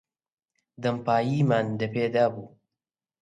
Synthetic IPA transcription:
d̪ɐmpaːjiːmaːnd̪ɐpeːd̪aːbuː

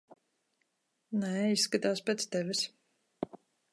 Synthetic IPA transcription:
nɛisːkat̪aːspʲɛt̪st̪ɛvɪs

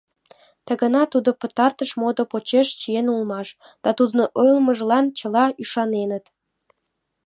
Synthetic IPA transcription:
t̪əɣənɑt̪ud̪opə̆t̪ɑrt̪əʃmod̪opot͡ɕeʃt͡ɕijenulmɑʃ | d̪̥ɑt̪ud̪nʔojlməʒlɑnt͡ɕə̆lɑyʃɑnenət̪

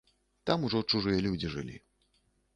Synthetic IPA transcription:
t̪amuʐɔt͡ʂuʐɨjɐlʲud͡zʲiʐɨ̰lʲḭ

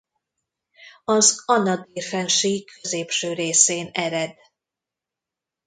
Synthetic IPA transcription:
ɒzɒnɒd̪iːrfɛnʃikʰøzeːpʃøːɾeːseːnɛɾɛd̪

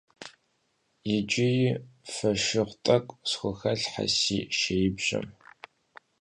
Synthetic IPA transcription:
jɪt͡ʃʼɪjɪfɐʃɪʁʷtʼɐkʷʼsxʷʊxɐɬħa̰siːʃejɪbʒɐ̰m

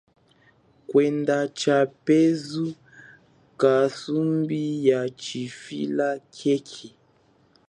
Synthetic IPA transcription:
kwɛndat͡ʃapɛzu | kasumbijat͡ʃifḭlakʰɛkʰi

